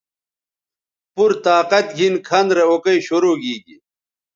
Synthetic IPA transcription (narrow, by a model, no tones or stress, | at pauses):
puɾt̪aːqɐt̪ɡʱinkʰɐnd̪ɾeokɐiɕoɾoːɡiːɡi